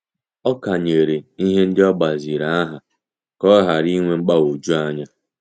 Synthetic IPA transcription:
ɔ˦ka˨ɲe˨ɾe˨i˦ɦe˦n̩˦dɪ˦ɔ˦ɡ͡ba˨zi˨ɾa˨a˦ɦa˨ | kɔ˦ɦa˨ɾi˦ŋʷe˦ŋ͡m̩˦k͡pa˦o˨d͡ʒu˦a˦ɲa˦

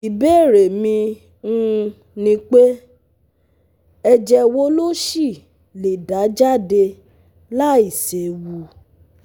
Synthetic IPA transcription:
i˨beː˦˨ɾe˨mĩ˧ | ũ˦˧ | nĩ˧˦k͡pe˦ | ɛ˧d͡ʒɛ˧wo˦lo˦ʃi˦˨ | le˨da˨˦d͡ʒa˦˨de˧ | la˦i˨se˨wu˧˦

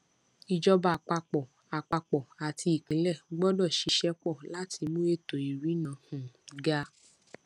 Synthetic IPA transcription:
i˨d͡ʒɔ˧ba˨k͡pa˧k͡pɔ˨ | a˨k͡pa˧k͡pɔ˨a˨tʰi˧i˨kĩ˨˦lɛ˦˨ɡ͡bɔ˦dɔ˦˨ʃi˧ʃɛ˦k͡pɔ˦˨la˨˦tʰi˧mõ˦e˦˨to˨i˨ɾi˨˦nã˨˦hũ˨ɡa˦˧

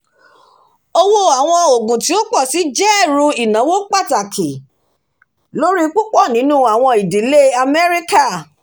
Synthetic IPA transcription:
o˦wo˦a˨w̃ɔ̃˧o˨ɡũ˨ti˨˦o˦k͡pɔ˦˨si˨˦d͡ʒɛ˦˨ɾũ˧i˨nã˨˦wo˦k͡pa˦˨ta˨kʰi˨ | lo˦ɾi˦k͡pu˦k͡pɔ˦˨nĩ˨˦nũ˦˨a˨w̃ɔ̃˧i˨di˨˦le˦a˧mɛ˦ɾi˦ka˦˨

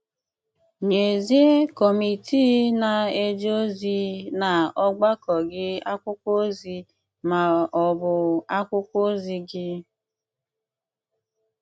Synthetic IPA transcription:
ɲe˨ze˦kɔ˨mi˨ti˦na˨e˦d͡ʒo˦zi˦na˨ɔ˦ɡ͡ba˦kɔ˨ɡɪ˦a˦kʷʊ˦kʷo˦zi˦ | ma˨ɔ˨bʊ˨a˦kʷʊ˦kʷo˦zi˦ɡɪ˦

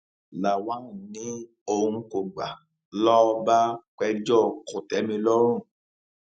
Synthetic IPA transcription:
la˨wã˨˦˨nĩ˦ | o˧ũ˧ko˨ɡ͡ba˨ | lɔ˦˧ba˦k͡pɛ˧d͡ʒɔ˦˨ko˨tɛ˨˦mĩ˧lɔ˦ɾ̃ũ˦˨

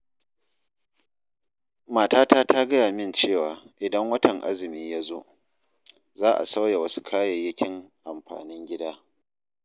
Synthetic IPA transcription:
maː˨taː˦taː˦tʰa˦ɡɐ˦jaː˨mɪ˦˨nt͡ʃeː˦˨waː˨ʔɪ˨dɐ˦ŋwɐ˦tɐ˨ŋʔa̰˦zɪ˨miː˦ja˦zo̰ː˦ | zaː˦ʔa̰˨sa˦wja˨wɐ˦su̥˦kʰaː˦je˨jɪ˦kʲɪ˦ŋʔa˨mɸa̰ː˨nɪ˦ŋɡʲɪ˦daː˦

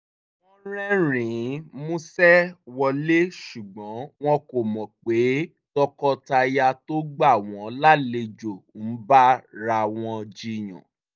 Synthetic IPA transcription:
wɔ̃˦ɾ̃ɛ̃˦ɾ̃ĩ˨˦mũ˦sɛ˦wɔ˧le˦ʃu˨ɡ͡bɔ̃˨˦w̃ɔ̃˧ko˨mɔ̃˨k͡pe˨˦ | tɔ˧kɔ˧ta˧ja˧to˦ɡ͡ba˦˨w̃ɔ̃˨˦la˦le˧d͡ʒo˨n̩˨˦ba˦ɾa˧w̃ɔ̃˧d͡ʒi˦˨j̃ɔ̰̃˨

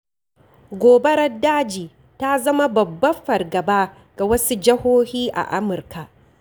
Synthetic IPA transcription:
ɡʷoː˨be˦ɽɐ˦dːaː˦d͡ʒiː˨ | ta˦zɐ˦ma˦bɐ˨bːɐ˦ɸɐ˨rɡɐ˨baː˦ | ɡ̥a˨wɐ˦su˦d͡ʒɪ˦hoː˦hiː˦ʔa̰˨ʔa˦mʊ˨rka˨ʔ

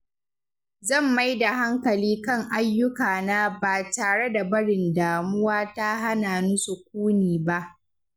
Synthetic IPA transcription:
zɐ˦˨mːa˦jda˨ɦa˦ŋkɐ˨liː˦kɐ˦˨ŋʔa˦jːʊ˦kaː˨na˦baː˨taː˨ɽe˦da˨bɐ˦ɽɪ˨ndaː˨mʊ˦waː˦ta˦ɦa˦naː˨nʊ˦su˨k̚ʷuː˦niː˨ba˦ʔ

